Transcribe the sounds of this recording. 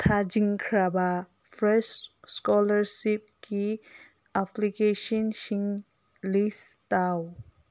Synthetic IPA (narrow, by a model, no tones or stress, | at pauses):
t̪ʰad͡ʒiŋkʰɾaba | pʰɾɛsskɔləɾsip̚ki | apʰlikeʃɔnʃiŋ | listaw